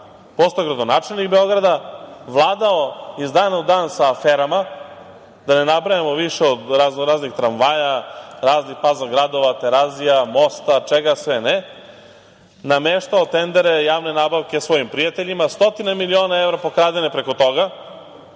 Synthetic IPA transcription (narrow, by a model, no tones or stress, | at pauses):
post̪ojɡɾad̪onaːt͡ʃelʲnikbeo̞ɡɾad̪aʋlˠaːd̪aoizd̪aːnaud̪aːnsaːfeːɾama | d̪ane̞nabɾajamo̞ʋiʃeod̪ɾaznɾaːznixt̪ɾanʋaːjaɾaːznixpazaɡɾad̪o̞ʋat̪e̞ɾazijamo̞st̪at͡ʂeɡasʋene | nameʃt̪aot̪end̪eɾe̞jaːʋne̞naːbaʋkʲe̞sʋo̞jimpɾijat̪eʎimast̪o̞t̪inamilio̞ːnae̞ʋɾapo̞kɾaːd̪enepɾeko̞t̪o̞ɡa